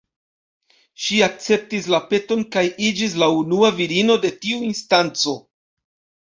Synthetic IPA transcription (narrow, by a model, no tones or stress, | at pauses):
ʃiak̚t͡se̞p̚tis̬lape̞to̞nkajid͡ʒis̬launuaviɾino̞de̞tiuinstant͡so̞